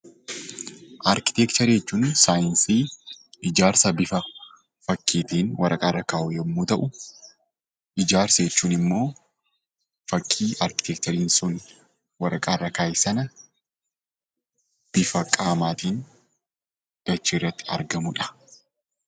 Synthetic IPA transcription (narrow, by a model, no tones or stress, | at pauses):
ʔɐɾkɪ̥t̪eːkt̪ɐɾjɛt͡ʃːuːnsaːjɪnsiːʔɪd͡ʒaːɾsɐbɪfɐ | fɐkːiːt̪iːnwɐɾʔɐkʼaːrːɐkaːʔʊjɛmːuːt̪ɐʔʊ | ʔɪd͡ʒaːɾsɐɛt͡ʃːuːnɪmːo̞ː | fɐkʼːiːʔɐɾkɪ̥t̪ʰek̚t̪ɐɾiːnsʊn | wɐɾɐkʼaːrːɐkaːjɪsɐnɐ | b̥ɪfɐkʼaːmaːt̪iːn | d̪̥ɐt͡ʃːiːrːɐt̪ːɪ̥ɐ̰ɾɡɐmʊᶑɐ̥